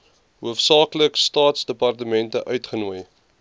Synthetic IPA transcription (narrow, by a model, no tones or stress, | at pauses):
ɦuəfsɑːkləkstɑːtsdəpɐrtəmɛntəʔœɥtχənuəj